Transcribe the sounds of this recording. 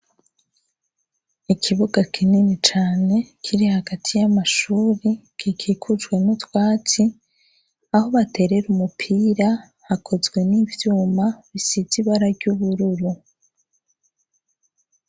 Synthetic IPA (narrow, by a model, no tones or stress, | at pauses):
ikʰiβuɡakʰininit͡ʃaːne̞kʰiɾihaɡatʰijamaʃuːɾikʰikʰiːkʰud͡ʒɡwe̞nutwaːt͡si | aho̞βate̞ɾe̞ɾumupʰiːɾa | hakʰo̞zɡwe̞nivjuːmaβisiziβaɾaɾɟuβuɾuɾu